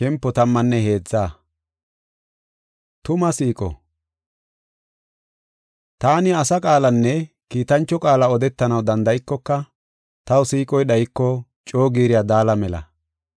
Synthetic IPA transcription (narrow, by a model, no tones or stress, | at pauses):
ʃɛmpːɔt̪ɐmːɐnːɛɦe̞ːd͡zːaː | t̪ʊmɐsiːkʼɔ̰ | t̪aːnɪɐsɐkʼaːlɐnːɛ | kiːt̪ɐnt͡ʃːɔkʼaːlɐɔd̪ɛt̪ːɐnɐwd̪ɐnd̪ɐjɪkːɔkːɐ | t̪ɐwsiːkʼɔjɗɐjɪkːɔ | t͡ʃʼo̞ːɡiːɾɪjad̪aːlɐmɛlɐ̰